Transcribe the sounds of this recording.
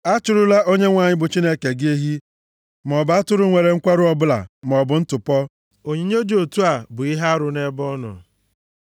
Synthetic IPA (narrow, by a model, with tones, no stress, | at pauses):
a˦t͡ʃʊ˨ɾʊ˦la˦ʔo˦ɲe˦ŋʷa˨ɲɪ˦bʊ˨t͡ʃi˦ne˦ke˨ɡɪ˦e˦ɦi˦ | m˨ɔ˨ba˦tʊ˦ɾʊ˦ŋʷe˨ɾe˨ŋ̩˦kʷa˦ɾʊ˦ɔ˦bʊ˦la̰˨m˨ɔ˨bʊ˨˦n̩˦tʊ˨pɔ˦ | o˨ɲi˨˦ɲ˦e˦d͡ʒo˨tu˦a˨bʊ˨i˦ɦa˦ɾʊ˨ne˦bɔ˦nʊ̰˨